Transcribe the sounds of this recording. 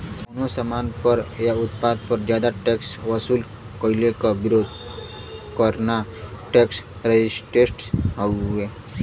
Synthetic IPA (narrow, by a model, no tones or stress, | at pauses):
konosəmanpəɾjaut̪pad̪̚pəɾd͡ʒjad̪aʈeksʋəsuːl | kɔilekabiɾod̪ʱ | kəɾnaʈeks | ɾed͡ʑisʈeʈɦae